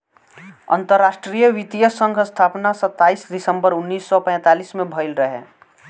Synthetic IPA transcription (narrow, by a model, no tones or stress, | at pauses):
ə̰nt̪əɾːaːsʈɾijəʋit̪ijəsə̃ŋɡʱst̪ʰaːpnasət̪ːaːisd̪ɪsə̃mbəɾʊnːiːsːɔpɛ̃ːt̪aːliːsmẽbʱəɪlɾəɦḛ